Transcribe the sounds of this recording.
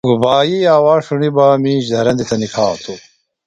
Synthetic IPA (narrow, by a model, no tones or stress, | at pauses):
ɡubaːjiaːwaːʂunibaːmĩːɕd̪ʱɐɾɐnd̪it̪ʰɐnikʰaːt̪ʰu